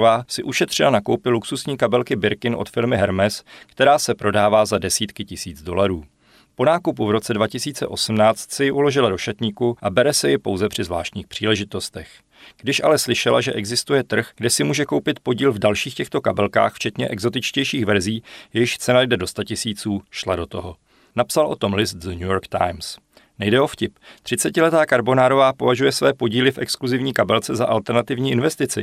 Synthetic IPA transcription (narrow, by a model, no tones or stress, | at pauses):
vaːsɪʔuʃɛt̪r̝̥ɪlanakowpɪluksusɲiːkabɛlkɪbɪɾkɪnʔo̰t̪fɪlmɪɦɛɾmɛskt̪ɛɾaːsɛpɾo̞daːvaːzadɛsiːt̪kɪcɪsiːd͡zdo̞laɾuː | po̞naːkupuvɾo̞t͡sɛdvacɪsiːt͡sɛ̰ʔo̞sm̩naːt͡st̪sɪjɪʔulo̞ʒɪlado̞ʃat̪ɲiːkuʔabɛɾɛsɛjɪpo̞̰wzɛpr̥ɪzvla̰ːʃt̪ɲiːxpr̝̥iːlɛʒɪt̪o̞st̪ɛx | ɡ̥dɪʃʔa̰lɛslɪʃɛlaʒɛʔɛɡzɪst̪ujɛt̪r̩xɡdɛsɪmuːʒɛkowpɪt̪po̞ɟiːlvdalʃiːxcɛxt̪o̞kabɛlka̰ːxft͡ʃɛt̪ɲɛʔɛɡzo̞t̪ɪt͡ʃcɛjʃiːxvɛɾziːjɛjɪʃt͡sɛnajdɛdo̞st̪acɪsiːt͡suːʃlado̞t̪o̞ɦo̞ | napsalʔo̞t̪o̞mlɪst̪zɲujoɾkt̪a̰jms | nɛjdɛʔo̞fcɪpt̪r̥ɪt͡sɛcɪlɛt̪aːkaɾbo̞naːɾo̞vaːpo̞vaʒujɛsvɛːpo̞ɟiːlɪfʔɛkskluzɪvɲiːkabɛlt͡sɛzaʔalt̪ɛɾnat̪ɪvɲiːʔɪnvɛst̪ɪt͡sɪ